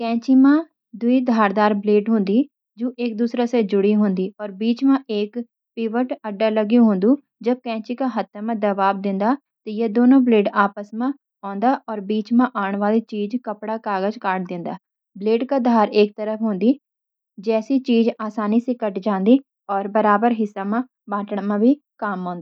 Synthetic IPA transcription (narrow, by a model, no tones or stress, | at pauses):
kɛ̃ːt͡ʃiːmãː | d̪ʊiːd̪ʱaːɾd̪aːɾbleːɖɦʊ̃nd̪iː | d͡ʒoːʔɪk̚d̪uːsɾaːseːd͡ʒʊɽiːɦʊnd̪iːɔːɾbiːt͡ʃmãːeːk | piːʋəʈəɖːaːləɡijũːɦʊ̃nd̪uː | d͡ʒəb̚kɛ̃ːt͡ʃiːkaːɦət̪ʰːamãːd̪əʋaːbd̪ɪ̃nd̪aː | t̪eːjeːd̪oːnõːbleːɖaːpəsmãː | ɔ̃ːnd̪aːʔɔːɾbiːt͡ʃmãːʔaːɳʋaːliːt͡ʃiːd͡ʒkəpɽaːkaːɡəd͡ʒkaːʈ̚d̪ɪ̃nd̪aː | bleːɖkaːd̪ʱaːɾeːk̚t̪əɾəfʰɦʊ̃nd̪iː | d͡ʒɛːsiːt͡ʃiːd͡ʒaːsaːniːsekəʈd͡ʒãːnd̪iː | ɔːɾbəɾaːbəɾɦɪsːaːmãː | bãːʈəɳmãːbʱiː | kaːmɔ̃ːnd̪aaː